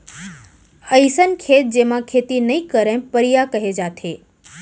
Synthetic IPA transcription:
əisənkʰeːt̪̚d͡ʑeːmãkʰeːt̪inɐĩkəɾẽpəɽijakɐɦed͡ʑaːt̪ʰeː

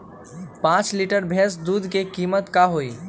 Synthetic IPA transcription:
pãt͡ʃliʈəɾbʱesd̪ud̪ʱkekimət̪kaɦoi

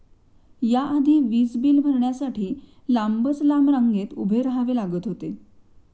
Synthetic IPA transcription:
jaʔad̪ʱiːʋiːsbiːlm̤əɾɳjasaʈʰiː | lambət͡slamɾaŋɡet̪ubʱeɾəɦaʋelaɡət̪ɦot̪e

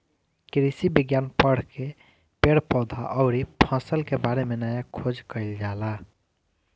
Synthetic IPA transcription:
kɾisibiɡjanpəɽ̤ke | peɽpɔd̪ʱaʔəʊɾipʰə̃səlkebaɾemenajakʰod͡ʒkəɪld͡ʒala

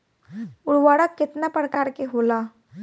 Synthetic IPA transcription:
ʊɽʋaɽəkːɪt̪napɾəkaɾkeɦola

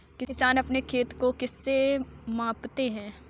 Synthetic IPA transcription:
kɪɪsaːnɐpnekʰeːt̪kokɪsːemãːpt̪eɦɛ̃ː

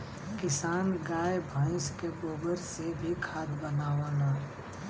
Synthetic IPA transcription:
kɪsaːnɡaːjbʱə̃ɪ̃skeboːbəɾsebʱikʰaːd̪bənaːʋaːnaː

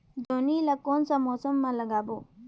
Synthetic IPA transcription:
d͡ʒ̪oːniːlakoːnsamɔːsəmːãlɐɡaːboː

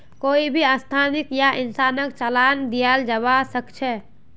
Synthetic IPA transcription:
koːibʱiast̪ʰaːnɪkjaʔɪnsaːnəkt͡ʃəlaːnd̪ijald͡ʒəβasəkt͡ʃʰɛ

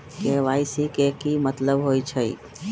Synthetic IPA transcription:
keʋaːisikekimət̪ləbɦojt͡ʃʰəḭ

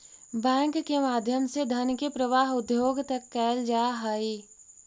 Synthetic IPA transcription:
bɛ̃ːŋkːemaːd̪ʱjəmsed̪ʱɐnkepɾəʋaːɦʊd̪ʱjoːɡt̪ɐkːɛːld͡ʒaːɦaːi

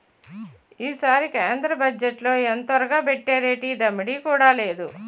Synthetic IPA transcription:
iːsaːɾikeːnd̪ɾɐbɐd͡ʒːeʈlo̞ːent̪ʋɐɾɐɡaːpeʈːeːɾeːʈiːd̪ɐmːiɽiːkuːɽaːle̞ːd̪u

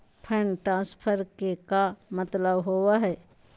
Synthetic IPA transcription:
pʰəɳʈaːspʰəɾkekamət̪ləbɦowaɦɛː

